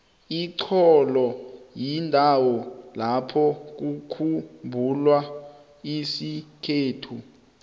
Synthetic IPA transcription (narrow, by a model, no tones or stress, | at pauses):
iǀʰɔlɔjindʱawɔlapʰɔk̬ukʰumbʱulwa | isikʰeːtʰu